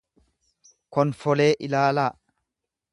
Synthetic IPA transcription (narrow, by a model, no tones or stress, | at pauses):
kɔnfɔleːʔɪlaːlaː